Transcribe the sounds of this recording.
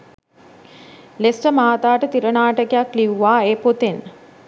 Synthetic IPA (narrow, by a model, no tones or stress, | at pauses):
lesʈəmaːt̪aːʈət̪iɾənaːʈəkejakliʋuʋaːeːpot̪en